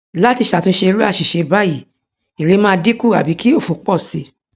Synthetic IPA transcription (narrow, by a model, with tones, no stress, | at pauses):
la˦ti˧ʃa˨tũ˧˦ʃe˧ɾu˦a˦˨ʃi˨ʃe˨˧ba˦ji˨ | i˨ɾe˨˦mã˦˧di˦ku˦˨a̰˨bi˨˦ki˦o˦˨fo˨˦k͡pɔ˦˨si˧˦